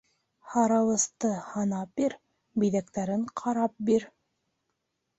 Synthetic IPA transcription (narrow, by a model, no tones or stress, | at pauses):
hɑɾɑlˠɤ̆st̪ɤhɑnɑp̚biɾ | biðækt̪æɾɘɴqʰɑɾɑp̚biɾ